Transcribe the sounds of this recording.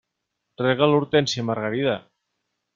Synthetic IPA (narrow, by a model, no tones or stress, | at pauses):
rɛɣaluɾt̪ɛnsiəmaəɾɣaɾiða